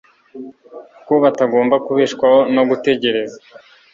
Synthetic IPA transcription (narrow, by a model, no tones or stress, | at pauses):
koβataɡo̞ːmbakuβiːʃkwaho̞noɡute̞ɟe̞ɾe̞za